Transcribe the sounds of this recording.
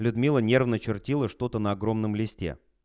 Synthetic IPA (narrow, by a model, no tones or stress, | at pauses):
lʲʊd̪mʲilˠənʲe̞rvnət͡ɕɪrtʲilˠəʂt̪o̞t̪ənəɐɡɾo̞mnəmlʲɪsʲtʲḛ